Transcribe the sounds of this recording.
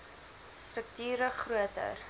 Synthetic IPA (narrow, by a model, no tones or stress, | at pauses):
strək̚tyːɾəχruətə̰r